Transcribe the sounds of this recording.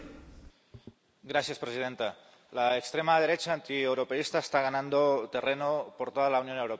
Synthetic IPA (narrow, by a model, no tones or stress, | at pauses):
ɡɾasjaspɾesiðent̪a | laekst̪ɾemað̞eɾet͡ʃaːnt̪iewɾopeist̪aest̪aɣ̞anãnd̪ot̪e̞renopoɾt̪oð̞alaunjo̞newɾope